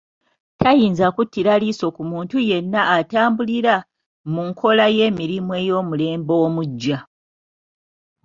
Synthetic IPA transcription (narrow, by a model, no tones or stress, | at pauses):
tʰajiːnzakutːiɾaliso̞kumuːntuje̞nːaʔːtaːmbuliɾa | muŋkʰo̞laje̞ːmiɾimwe̞ːjo̞ːmule̞ːmbo̞omuɟːa